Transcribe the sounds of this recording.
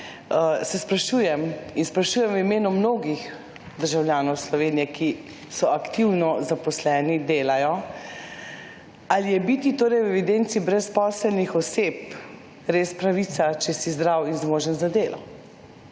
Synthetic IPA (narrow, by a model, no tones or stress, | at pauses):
sɛspɾaʃuːjɛminspɾaʃuːjɛmwimeːnumnoːɡix | d̪əɾʒawlʲjaːnɔwslɔʋeːnijɛki | sɔakt̪iwnɔzapɔslɛːnid̪eːlajɔ | alijɛbit̪it̪oːɾɛjwɛʋid̪ent̪sibɾɛspɔːsəlnixɔseːp | ɾespɾaʋit̪sat͡ʃɛsizd̪ɾawinzmoːʒənzad̪eːlɔ̰